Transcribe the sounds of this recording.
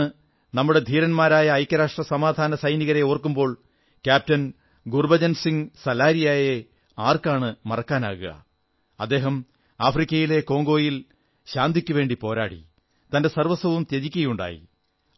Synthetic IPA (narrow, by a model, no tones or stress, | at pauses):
ɨ | nɐmːuɽe̞d̪ʱiːɾɐnmaːɾaːjɐːjkʲːɐɾaːʂʈrɐsɐmaːd̪ʱaːnɐsɐjniɣɐɾe̞oːrkːumbo̞ːɭ | kʲjaːp̚tɐn | ɡurbɐd͡ʑɐnsiŋsɐlaːɾijaːje | aːrkaːɳɨmɐrɐkːaːna̰ːɣuɣɐ̰ | ɐd̪ːe̞ːɦɐm | aːfrikʲːɐjile̞ko̞ːŋɡo̞ːjil | ɕaːnd̪ʱikʲːuʋe̞ːɳɖipo̞ːɾa̰ːɽḭ | t̪ɐnde̞sɐrʋɐsɐʋumt̪eðikʲːɐjuɳɖa̰ːjḭ